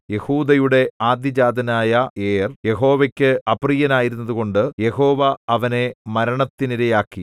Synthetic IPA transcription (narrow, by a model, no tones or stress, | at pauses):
je̞huːd̪ɐjuɽe̞aːd̪jɐd͡ʑaːd̪ʱɐnaːjɐeːrje̞ɦo̞ːʋɐkʲːɨɐprijɐnaːjiɾunːɐðuɣo̞ɳɖɨje̞ho̞ːʋɐɐʋɐne̞mɐɾɐɳɐt̪ːiniɾɐjaːkːi